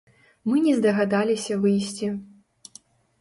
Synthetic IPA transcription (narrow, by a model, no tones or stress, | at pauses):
mɨnʲɛzd̪ɐɣad̪alʲisʲɐvɨjsʲt͡sʲi